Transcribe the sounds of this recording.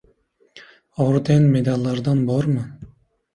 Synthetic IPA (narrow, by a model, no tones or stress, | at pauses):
oɾd̪enmed̪ɑlˠːɑɾd̪ɑnbɑɾmɯ